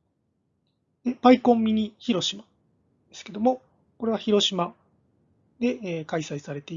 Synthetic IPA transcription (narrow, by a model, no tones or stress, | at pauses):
eb̥aikõ̞mːʲiɲ̟içiɾo̞ɕimḁ | d̪̥e̞sɨ̥ke̞d̪o̞mo̞ | ko̞ɾe̞β̞açiɾo̞ɕima | d̪e̞eːkaisaisaɾe̞t̪e̞i